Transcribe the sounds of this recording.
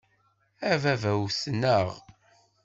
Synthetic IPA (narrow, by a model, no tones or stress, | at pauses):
ævævæwsnəʁ